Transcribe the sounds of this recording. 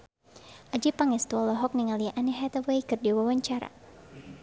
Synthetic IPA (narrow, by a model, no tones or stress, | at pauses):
ʔad͡ʒipaŋɛst̪uɔlɔɦɔk̚niŋaliʔanɛɦɛt̪awejkɨrdiwawaɲt͡ʃaɾa̰